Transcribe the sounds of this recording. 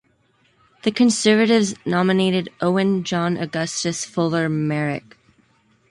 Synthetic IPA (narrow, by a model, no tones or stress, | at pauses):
ðɨkʰɨ̃nsɜ˞vɨɾɪvznɑmɨneɪɾɨɾʔoʊɨ̃nd͡ʒɑ̃nʔɨ̰ɡʌstɨsfʊlˠə˞mɛɹɪ̰k